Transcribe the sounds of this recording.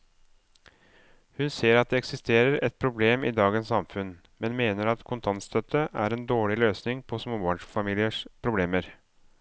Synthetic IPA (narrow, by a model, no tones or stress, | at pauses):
hʉnseːɾɑt̪̚d̪ɛɛksɪst̪ʰeːɾəɾɛt̪̚pʰɾʊbleːmid̪ɑːɡənsɑmfʉn | mɛnmeːnəɾɑt̪kʰʊnt̪ʰɑnt̪st̪ʰœt̪ʰːəʔæ̰ɾɛnd̪oːɭɪløːsnɪŋpʰɔsmoːbɑːɳʂfɑmiːlɪəʂpʰɾʊbleːməɾ